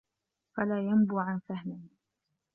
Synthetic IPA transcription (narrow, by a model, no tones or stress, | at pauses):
falaːjambuːʕansahnɪ